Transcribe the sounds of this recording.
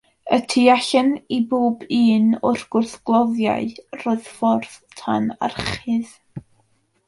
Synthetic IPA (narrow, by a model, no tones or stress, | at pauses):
ətʰiaɬɛniboːbiːnʊr̥ɡ̥ʊrθɡ̥lˠɔðja̰ɨroːɨð̥fɔrðtʰana̰rχɨð